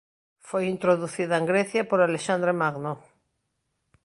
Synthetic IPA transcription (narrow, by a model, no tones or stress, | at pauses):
fojint̪ɾoðuθiðaeŋɡɾeθjapoɾaleʃand̪ɾemaɣno